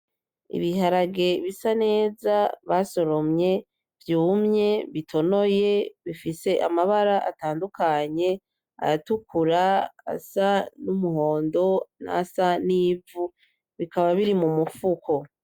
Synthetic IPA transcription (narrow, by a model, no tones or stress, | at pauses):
ḭβiɦaɾaɡe̞βisane̞ːzaβaso̞ɾo̞mɲe̞ | vjuːmɲe̞βitʰo̞no̞je̞βifise̞ʔamaβaɾaʔa̰taːndukaɲe̞ | a̰ɾatukʰuɾaa̰sanumuho̞ːndo̞na̰saniːvu | βikaβaβiɾimumufukʰo̞